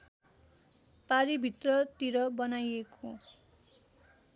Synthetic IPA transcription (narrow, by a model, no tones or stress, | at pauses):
paɾibʱit̪rʌt̪iɾʌbʌnajekʰo